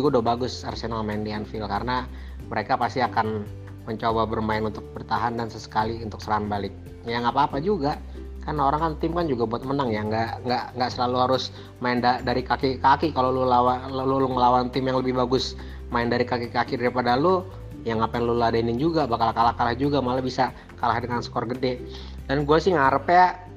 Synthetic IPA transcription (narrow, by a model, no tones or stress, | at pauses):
ɡudobaɡʊsarsenalmaɪndianfɪlkarəna | məɾekapast̪iakan | məɲt͡ʃobabərmaɪnunt̪ʊk̚bərt̪aɦandansəsə̥kaliunt̪ʊk̚səɾaɦanbalɪk̚ | jaŋapaːpad͡ʒuɡaʔ | karənaoɾaŋkant̪ɪmkand͡ʒuɡabuat̪̚mənaŋjaŋɡaʔŋɡaʔŋɡaʔsəlaluhaɾʊs | maɪndadaɾikakikakikalolulawallʊŋəlawant̪ɪmjaŋləbɪhbaɡʊs | maɪndaɾikakikakidaɾipadalʊ | jaŋapajaŋluladainɪnd͡ʒuɡabakalakalahkalahd͡ʒuɡamalabisa | kalahdəŋansə̥kɔrɡədɛ | danɡuasɪhŋaɾəpea